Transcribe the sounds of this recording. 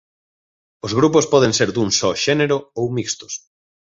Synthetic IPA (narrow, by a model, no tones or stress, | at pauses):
ozɣɾupospɔðẽnseɾd̪uŋsɔʃɛneɾoowmikst̪ʊ̥s